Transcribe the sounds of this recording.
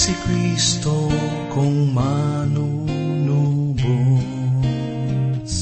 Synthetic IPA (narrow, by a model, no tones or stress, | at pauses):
sikɾist̪o | kõmãnunubu